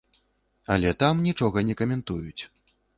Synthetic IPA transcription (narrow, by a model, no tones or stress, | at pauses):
ɐ̰lʲɛt̪amnʲit͡ʂɔɣɐnʲɛkɐmʲɛnt̪ujut͡sʲ